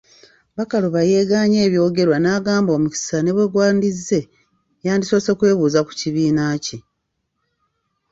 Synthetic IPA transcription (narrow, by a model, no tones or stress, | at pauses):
βakaluβaje̞ːɡaɲe̞ːβjo̞ːɡe̞ɾwanaːɡaːmbo̞ːmuci̥sane̞βweɡwaːndizːe̞ | jaːndiso̞ːsokwe̞ːβuːzaku̥ciβiːnaci